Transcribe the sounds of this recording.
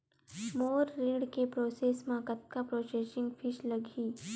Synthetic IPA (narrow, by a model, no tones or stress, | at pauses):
moːɾːiːɽkepɾoːseːsmãkət̪̚kapɾoːseːsɪ̃ŋɡfʰɪʃlɐɡʱiː